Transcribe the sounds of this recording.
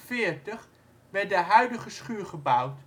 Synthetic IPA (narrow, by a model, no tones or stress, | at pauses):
fɪːɹtəχ | ʋɛɹtdəɦœɥdəχəsχyːɹχəbʌwt